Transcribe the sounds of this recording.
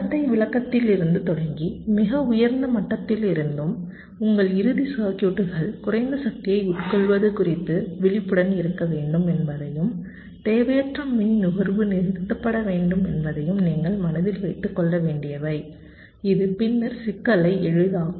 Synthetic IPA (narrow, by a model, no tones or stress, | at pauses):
ɐt̪ːɐɪʋɪɭɐkːɐt̪ːɪlɪɾɯnd̪ɯt̪ɔɽɐŋɡimɪɣɐʊjɐɾnd̪ɐmɐʈːɐt̪ːɪlɪɾɯnd̪ɯm | ʊŋɡɐɭɪɾɯðisɐːkjuːʈːɯɣɐɭkʊrɐɪnd̪ɐsɐk̚t̪ɪjɐɪʊʈkɔɭʋɐðɯkʊrɪt̪ːɯʋɛɭɪpːɯɽɐnɪɾɯkːɐʋeːɳɖɯmɛnbɐðɐjɯm | t̪eːʋeːʈrɐmʋɪnʊɣɐɾʋɯnɪɣɪt̪ːɐpːɐɽɐʋeːɳɖɯmɛnbɐðɐjɯmniːŋɡɐɭmɐnɐðɪlʋɐɪt̪ːɯkːɔɭːɐʋeːɳɖɪjɐʋɐɪ | ɪðɯpɪnːɐɾsɪkːɐlɐɪɛɻɯðaː